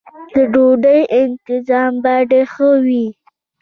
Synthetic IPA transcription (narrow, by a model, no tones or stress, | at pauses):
d̪̥əɖoɖəjʔɪnt̪ɪzɑmbɑɖexəwi